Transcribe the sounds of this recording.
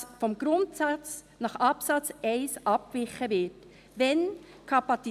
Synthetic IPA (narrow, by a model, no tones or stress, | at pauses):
sfɔmɡ̥ɾʊntsɑt͡s | nɑχɑpsɑt͡sɛɪsʔɑp̚kvɪχəvɪt | vɛnkʰɑpɑt͡si